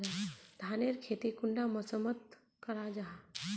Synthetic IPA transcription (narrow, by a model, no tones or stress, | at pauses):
ad̪ʱaːneɾkʰeːt̪ikʊɳɖaməsəmət̪̚ | kəɾad͡ʒaɦa